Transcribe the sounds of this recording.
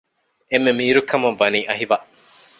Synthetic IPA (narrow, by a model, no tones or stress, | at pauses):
emːemiːɾukɐmɐʋːɐniːʔɐɦiʋɐʔ